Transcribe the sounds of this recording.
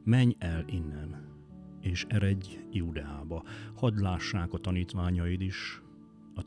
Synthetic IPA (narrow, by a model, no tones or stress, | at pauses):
mɛɲɛlinːɛn | eːʃɛɾɛɟjuːd̪ɛaːbɒhɒd̪laːʃːaːkɒt̪ɒniːt̪ʋaːɲɒjid̪iʃ | ɒ